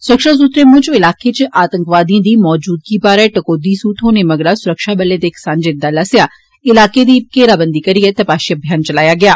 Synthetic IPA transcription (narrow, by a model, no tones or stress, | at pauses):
sʊɾəkʃaːs̬ut̪ɾeːmʊ̃t͡ʃɪlaːket͡ʃʔaːt̪əŋkʋaːd̪ĩːd̪iːmɔːd͡ʒuːd̪̚ɡiːbaːɾɛːʈəkoːd̪iːsuːt̪ɦoːneːməɡɽaːsʊɾəkʃaːbəleːd̪eːkɪ̥saːnd͡ʒɪd̪ːaːlasɪjaː | ɪlaːked̪iːkeːɾaːbənd̪iːkəɾiɛːt̪əpaːʃiəbʱjaːnt͡ʃəlaːjaːɡɪaː